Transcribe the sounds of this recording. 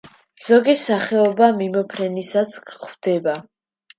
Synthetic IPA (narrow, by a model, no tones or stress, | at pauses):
z̥ɔɡisaχɛɔbamimɔpʰɾɛnisaskχvd̪ɛba